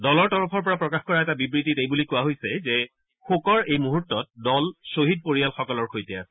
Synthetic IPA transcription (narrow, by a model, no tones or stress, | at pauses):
dɔlɔɹtɔɹɔpʰɔɹp̬ɔɹapɹɔkaxkɔɹaɛtabibɹititejbulikʊwaɦojsɛzɛ | xokɔɹejmuɦutːɔt̚dɔlsoɦid̚poɹijalxɔkɔlɔɹxʰojtɛasɛ